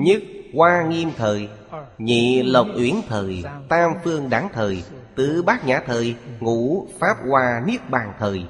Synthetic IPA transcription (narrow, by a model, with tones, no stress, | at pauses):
ɲɨ˦˥k̚kwaː˧ŋi˧əmt̪ʰəː˨˩j | ɲḭ˧˨lə˨˩k͡p̚ʔwi˧˦ənt̪ʰəː˨˩jt̪aː˧mfɨ˧əŋɗaː˧˦ŋt̪ʰəː˨˩j | t̪ɨ̰˧˨ɓaː˦˥k̚ɲaː˧˩t̪ʰəː˨˩jŋu˧˥faː˦˥p̚kwaː˧ni˦˥ək̚ɓaː˨˩ŋt̪ʰəː˨˩j